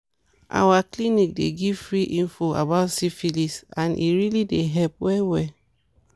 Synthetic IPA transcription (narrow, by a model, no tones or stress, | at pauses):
ʔa̰waklinik̚deɡivfɹiʔĩnfoa̰baʊtsifilisãnʔḭɹilideɦɛlpwɛwɛ